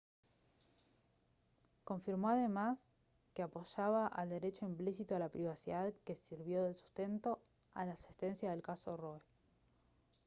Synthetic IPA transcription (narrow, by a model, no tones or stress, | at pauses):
ko̞ɱfiɾmoaðemas | keapo̞ʃaβaʔa̰ld̪e̞ɾet͡ʃo̞implis̬it̪oalapɾiβ̞asiðaðke̞siɾβjo̞ðe̞lsu̥st̪e̞nt̪o̞ | a̰laːsi̥st̪e̞nsjaðe̞lkaso̞roe